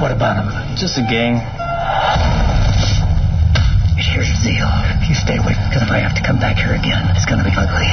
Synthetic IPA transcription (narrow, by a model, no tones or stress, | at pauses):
wʌɾɨbaʊɾə̃m | d̥ʒ̥ʌstɨɡẽɪ̃m | ɨthiɹzɨzilˠjɨsteɪwɪ̰θkʰʌzɨfaɪhæftɨ̥kʰʌ̃mbækhiɹɨɡɛ̃nɨtsɡ̥ʌnɨbiʌɡli